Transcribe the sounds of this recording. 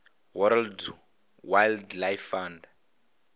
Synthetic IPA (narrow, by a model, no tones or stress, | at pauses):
wɔɾald | wajldlajfãnd